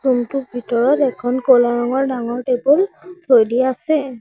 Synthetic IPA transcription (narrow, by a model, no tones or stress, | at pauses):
ɹumtʊbʱitɔɹɔtɛkʰɔnkolaɹɔŋɔɹdaŋɔɹtebultʰojdiasɛ